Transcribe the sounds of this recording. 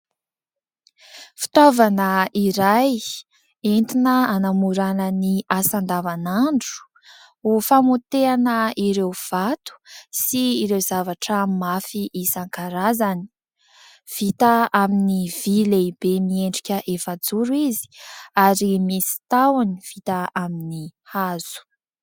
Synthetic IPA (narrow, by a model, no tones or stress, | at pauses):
fi̥t̪ovanəiɾaj | ent̪inəanamuɾanəniʔasand̪avanaɳɖ͡ʐu̥ | ufamut̪eanəiɾewv̥at̪u̥siːɾewzavaʈ͡ʂəmafiʔisaŋkaɾazani̥ | v̥it̪aaminiv̥ileib̥emieɳɖ͡ʐikʲəʔefad͡zuɾuizi̥aɾimisi̥t̪awaniv̥it̪aaminihaz̥u̥